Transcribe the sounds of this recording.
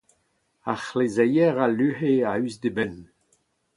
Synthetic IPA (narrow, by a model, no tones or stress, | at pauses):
aχlezɛjɛʁalyheayzdebɛn